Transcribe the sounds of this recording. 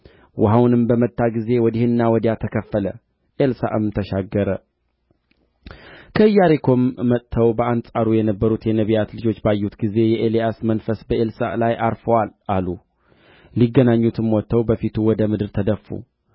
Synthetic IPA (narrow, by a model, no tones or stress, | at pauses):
wʔʊɦawnɨmbəmət̪ʰːaɡize̞wɔd̪ihɨnːawɔd̪jat̪ʰəkʰəfːələ | ʔelsa̰ʔɨmt̪ʰəʃaɡːəɾə | kʰəɨjːaɾekʰo̞mːət̪ʰːəwbəansʼaɾujɛnəbːəɾut̪jɛnəβijat̪lɨd͡ʒo̞t͡ʃːbajːut̪ɡize̞jɛʔeliasmənfəsbəʔelsa̰lajʔaɾfəwalʔalu | liɡːənaɲːut̪ʰɨmwɔt̪ːəwbəfit̪ʰuwɔd̪əmɨd̪ɨɾt̪ʰəd̪əfːṵ